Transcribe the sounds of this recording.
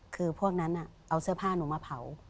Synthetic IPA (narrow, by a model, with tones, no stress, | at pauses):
kʰɯː˧pʰu˥˩ək̚na˦˥nʔa˨˩ʔa˧wsɯ˥˩pʰaː˥˩nuː˩˦maː˧pʰa˩˦w